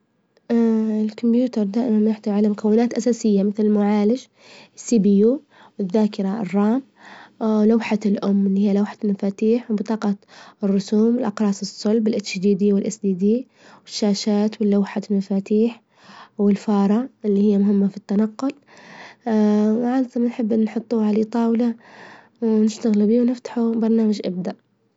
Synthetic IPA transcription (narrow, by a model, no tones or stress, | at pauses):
ɪlkʊmbjuːt̪ɑɾˤd̪aːʔɪmanjaħd̪aʕalamʊkawːɪnaːt̪ʔasaːsɪjːamɪθlɪlmʊʕaːlɪd͡ʒ | ɪsːibijuː | wɪðːaːkɪɾˤa̰rˤːɑːm | lawħalʔʊmːɪlːiːhijːalawħḁlmafaːt̪iːħwbɨt̪ˤɑːqɑrːʊsuːmwɪlʔɑqɾˤɑːsɨsˤːʊlbɪlʔat͡ʃd̪iːd̪iːwɪlʔasd̪iːd̪iː | wɪʃːaːʃaːt̪wɪlːawħalmafaːt̪iːħ | wɪlfɑːɾˤɑʔɪlːiːhɪjːamʊɦɪmːafit̪ːanɑqːʊl | mʕansamanħɪbːɪnnħʊt̪ˤːuːʕaleːt̪ˤɑːwla | wnɪʃt̪aɣɪlbiːwnɪft̪ḁħubɑɾˤnaːmad͡ʒʔa̰b̚d̪aʔ